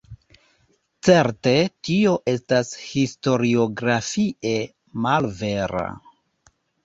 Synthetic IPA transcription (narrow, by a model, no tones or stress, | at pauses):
t͡se̞ɾte̞tio̞ʔe̞stashisto̞ɾio̞ɡɾafiʔe̞ | malve̞ɾa̰